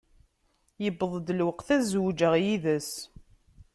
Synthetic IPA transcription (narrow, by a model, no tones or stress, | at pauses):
jəbəðˤd̪lwəqθæzwd͡ʒəʁjiðəs